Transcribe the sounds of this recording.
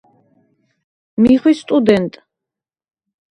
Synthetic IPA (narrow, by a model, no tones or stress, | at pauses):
miχwist̪ʼud̪ɛnt̪ʼ